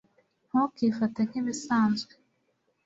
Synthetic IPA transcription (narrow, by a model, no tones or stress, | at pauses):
n̥hokifatan̥hiβisaːnzɡe